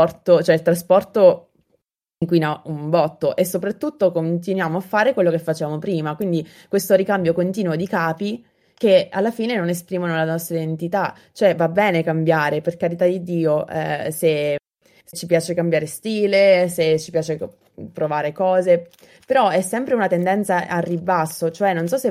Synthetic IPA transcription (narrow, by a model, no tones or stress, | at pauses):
ɔrt̪ot͡ʃoɛilt̪ɾaspɔrt̪o | iŋkwinauɱbɔt̪ːoʔesːopɾat̪ːut̪ːokont̪inwjaːmoafːaːɾekwelːokefːat͡ʃevaːmopɾiːmakwind̪i | kwest̪oɾikambjokont̪iːnwod̪ikaːpi | kealːafiːnenonespɾiːmonolanɔst̪ɾaid̪ent̪it̪a | t͡ʃoɛvabːɛːnekambjaːɾeperkaɾit̪ad̪id̪iːoɛ̰se | t͡ʃːipjaːt͡ʃekambjaːɾest̪iːleset͡ʃːipjaːt͡ʃe | pɾovaːɾekɔːze | peɾɔɛsːɛmpɾeunat̪end̪ɛnt̪saʔarːibasːot͡ʃoɛnːonsɔsːe